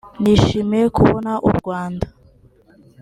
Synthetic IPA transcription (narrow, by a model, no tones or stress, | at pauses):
niʃimeekuβonaʔṵɾɡwaːnda